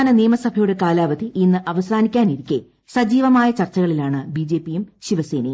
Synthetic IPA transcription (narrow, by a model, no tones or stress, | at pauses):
aːnɐniːmɐsɐbʱɐjuɽe̞kaːlaːʋɐd̪ʱiʔinːɨʔɐʋɐsaːnikʲːaːniɾikʲːe | sɐd͡ʑiːʋɐmaːjɐt͡ɕɐrt͡ɕːɐɣɐɭilaːɳɨbid͡ʑeːpːijumɕiʋɐseːnɐ̰j